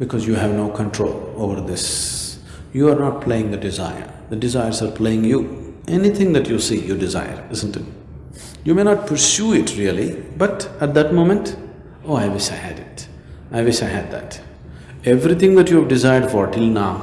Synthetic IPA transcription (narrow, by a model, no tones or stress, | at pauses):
bɪkʰɔzjuɦævnoʊkʰə̃nʈʰɾo̰ːloːvəɾd̪ɪs | juaɾnɔʈ̚pʰleɪɪ̃ŋd̪ədɪza̰ɪə̰ɾ | d̪əɖɪzaɪəɾzaɾpʰleɪ̃ŋjuʔɛnit̪ʰɪ̃ŋd̪ætʰjusiːjuɖɪza̰ɪə̰ɾɪzə̃ntɪt | juːmenɔʈ̚pʰəɾsjuɪʈʰɾiəlibʌtəʈ̚d̪æʈmõmə̃nt | oːaɪʋɪʃaɪhɨdɪt | aɪʋɪʃaɪɦæd̪̚d̪æ̰t | ɛvɾit̪ɪ̃ŋd̪ætjuvɖɪzaɪəɾɖfɔɾʈɪlnaʊ